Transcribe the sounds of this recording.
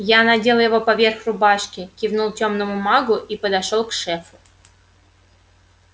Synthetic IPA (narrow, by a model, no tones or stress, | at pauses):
janadʲelˠjɪvo̞pɐvʲerxrʊbaʂkʲɪkʲivnulˠtʲomnəmʊmɑɡʊʔipəd̪aʂolˠkʂɛfʊ̥